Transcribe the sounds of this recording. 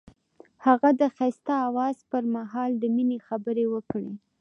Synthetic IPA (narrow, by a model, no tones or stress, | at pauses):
haɣad̪əxast̪aːwɑzpəɾmaɦɑld̪əminexabəɾewəkɽe